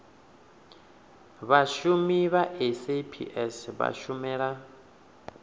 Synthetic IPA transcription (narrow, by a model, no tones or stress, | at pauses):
βaʃumiβaʔesepʰḭʔɛsβa̰ʃumɛːɺa